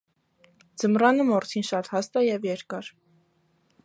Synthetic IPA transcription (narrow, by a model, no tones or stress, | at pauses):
d͡zəmrɑnəmɔɾt̪ʰinʃɑt̪hɑst̪ɑjɛvjɛɾkɑɾ